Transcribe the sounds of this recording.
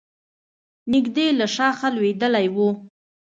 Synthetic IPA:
nɪɡd̪elaʃɑxalwed̪əlajwu

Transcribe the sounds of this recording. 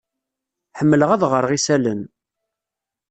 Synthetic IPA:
ħəmːələʁæðʁəɾˤʁisælən

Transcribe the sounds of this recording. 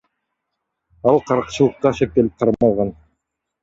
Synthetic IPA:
ɑlˠqʰɑɾqt͡ʃɯlˠɤqːɑʃep̚t̪e̞lip̚qʰɑɾɑlˠʁɑn

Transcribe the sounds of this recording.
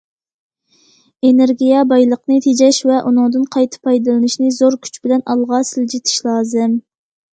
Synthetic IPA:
eneɾɡʲijɛbɑjlˠəqnɨt̪ʰed͡ʒɛʃvɛʔunɨŋd̪ɨnqʰɑjt̪ʰɨ̥pʰɑjd̪ɨlˠɨnɨʃnɨzoɾkʲʰy̥t͡ʃb̥ɪlɛnɑlˠʁɑsɪld͡ʒit̪ʰɪ̥ʃlˠɑːzɨm

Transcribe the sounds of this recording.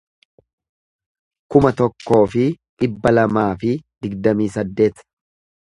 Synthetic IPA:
kʊmɐt̪ɔkːo̞ːfɪᶑɪbːɐlɐmaːfɪd̪ɪɡd̪ɐmiːsɐd̪ːe̞ːt̪

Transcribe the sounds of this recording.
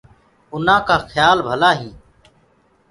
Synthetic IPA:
ʊn̤ãːkaːxʰjaːlbʱəlaːɦĩː

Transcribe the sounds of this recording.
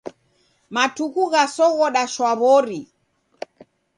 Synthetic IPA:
matuɣuɣasɔɣɔɗaʃwaβɔɾi

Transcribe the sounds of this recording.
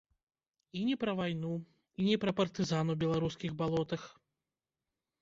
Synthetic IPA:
inʲɛpɾɐvajnu | inʲɛpɾɐpɐrt̪ɨzanwbʲɛlˠaɾuskʲiɣbalˠɔt̪ɐx

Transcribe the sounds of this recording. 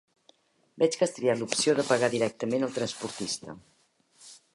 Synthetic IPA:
bɛt͡ʃkəst̪ɾialupsioðəpəɣaðiɾɛk̚t̪əmenəlˠt̪ɾənspuɾt̪ist̪ə

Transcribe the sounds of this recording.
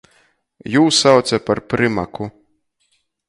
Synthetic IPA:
juːsːawt̪sʲapaɾpɾɪmaku

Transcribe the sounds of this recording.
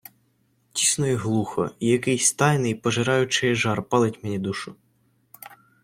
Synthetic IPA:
tʲisnɔjɛɦlˠuxɔ̰ijɐkɪjsʲt̪ɑjnɪjpɔʒɪɾɑjʊt͡ʃɪjɛʒɑrpɑlˠɪtʲmenʲid̪uʃʊ

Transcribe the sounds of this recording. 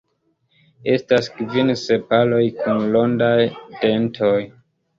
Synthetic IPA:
e̞staskvinse̞palo̞jkʰunlondajd̥e̞ntʰoj

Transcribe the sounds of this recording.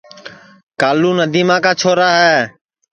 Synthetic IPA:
kaːluːnəd̪ʱiːmãːkaːt͡ʃʰoːɾaːɦɛː

